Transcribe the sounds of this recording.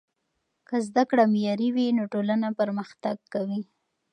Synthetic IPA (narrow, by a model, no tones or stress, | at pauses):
kəzd̪akɽamjɑɾiwinoʈolanapəɾməxt̪aɡkawi